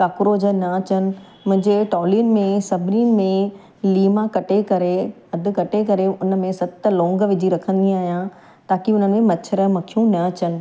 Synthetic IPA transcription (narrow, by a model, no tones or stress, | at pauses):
kaːkʊɾoːd͡ʑənɐɐt͡ɕənɪ̆ | mʊ̃ɦɪ̃ɲd͡ʑeʈɔːliʊnmẽsɐbʱɾiːnmẽ | liːmakɐʈekɐɾe | ɐd̪ʱɪ̆kɐʈekɐɾeʊnə̆mẽsɐt̪lɔ̃ːŋɡʋɪd͡ʑʱiɾɐkʰə̃nd̪iaːɦijã | t̪aːkiʊnənmẽmɐt͡ɕʰəɾəmɐkʰijũnɐɐt͡ɕənɪ̆